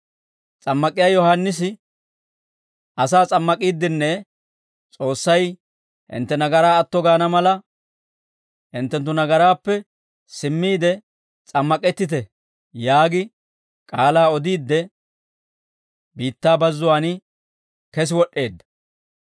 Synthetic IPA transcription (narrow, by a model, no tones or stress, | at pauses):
t͡sʼɐmːɐkʼɪjaːjɔhanːɪsɪ | ʔɐsaːt͡sʼɐmːɐkʼiːd̪ːɪnːɛ | t͡sʼo̞ːsːɐj | ʔɪ̰nt̪ːɛnɐɡɐɾaːɐt̪ːɔɡaːnɐmɐlɐ | ɪnt̪ːɛnt̪ːʊnɐɡɐɾaːpːɛ | sɪmːiːd̪ɛ | t͡sʼɐmːɐkʼɛt̪ːɪt̪ɛ | jaːɡɪ | kʼaːlaːɔd̪iːd̪ːɛ | biːt̪ːaːbɐzːʊwaːnɪ | kɛs̬ɪwɔʔːe̞ːd̪ːɐ̥